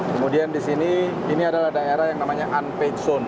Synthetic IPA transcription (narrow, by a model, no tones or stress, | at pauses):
kəmudiandisini | iniadalahdaeɾahjaŋnamaɲaʔanpek̪sɔn